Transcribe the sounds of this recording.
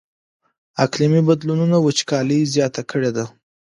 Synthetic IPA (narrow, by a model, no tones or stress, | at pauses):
aklimibad̪lununawət͡ʃkɑləzjɑt̪akʰəɽed̪a